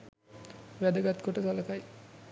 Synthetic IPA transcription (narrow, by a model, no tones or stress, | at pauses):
ʋæd̪əɡat̪koʈət̪aləkaj